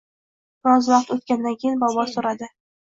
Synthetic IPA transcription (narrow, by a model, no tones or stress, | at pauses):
bɾɒzvɑqt̪ot̪̚kʲand̪ankʲʰejɪnbɒbɒsoɾad̪ɪ